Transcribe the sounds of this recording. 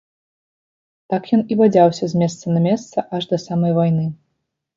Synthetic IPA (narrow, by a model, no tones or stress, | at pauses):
t̪akjɔnibad͡zʲawsʲɐzʲmʲɛs̬t̪sɐnɐmʲɛst̪sɐʔaʐd̪ɐsamɐjvajnɨ